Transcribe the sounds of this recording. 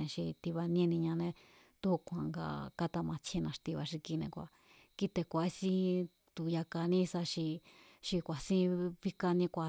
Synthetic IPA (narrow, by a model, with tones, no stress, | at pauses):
ẽ˧ʃi˧t̪i˧βa˧nĩ˦˧nĩ˧ɲã˧nẽ˧ | t̪u˦hu˧kʷã˧˨ŋɡa̰˧˨ka˦t̪a˧mã˧t͡ʃʰẽ˧nã˧ʂt̪i˧βa˧ʃi˧ki˧nḛ̃˧kʷa̰˧˨ | ki˦t̪e˧kʷa˨˦˧sĩ˦ | t̪u˨ja˧ka˧nĩ˦sa˧ʃi˧ | ʃi˧kʷa˨sĩ˦βi˦ka˧nĩ˧kʷa˨